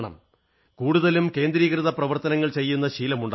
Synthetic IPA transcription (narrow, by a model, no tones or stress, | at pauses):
ɳɐ̰m | kuːɽuðɐlumke̞ːnd̪ɾiːkrɨðɐprɐʋɐrt̪ɐnɐŋːɐɭt͡ɕe̞jːunːɐɕiːlɐmuɳɖ